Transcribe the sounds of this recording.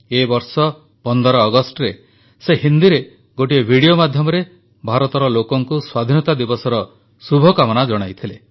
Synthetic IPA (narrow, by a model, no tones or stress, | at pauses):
ebɔɾsɔ | pɔnd̪ɔɾɔːɡɔsʈɔɾe | seɦind̪iɾe | ɡoʈiebʱiɽiomad̪ʱjɔmɔɾe | bʱaɾɔt̪ɔɾɔlokɔŋkuswad̪ʱinɔt̪ad̪ibɔsɔɾɔ | subʱɔkamɔñad͡ʒɔɽ̃ajt̪ʰile